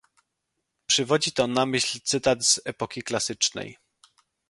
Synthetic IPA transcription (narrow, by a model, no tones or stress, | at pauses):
pʂɘvɔd͡ʑit̪ɔnamɘɕlʲt̪sɘt̪ad̪z̥ɛpɔkʲiklasɘt͡ʂnɛ̰j